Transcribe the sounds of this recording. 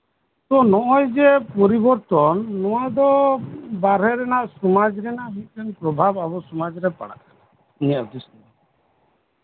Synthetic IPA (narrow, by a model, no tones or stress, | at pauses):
t̪ɔnɔʔɔjd͡ʒɛpɔɾibɔɾt̪ɔnːɔwad̪ɔbaɾɦɛɾɛnaʔsɔmad͡ʒɾɛnaʔɦut̪ɛnpɾɔbʱababɔsɔmad͡ʒɾɛpa̰ɽa̰ʔana | niad̪isni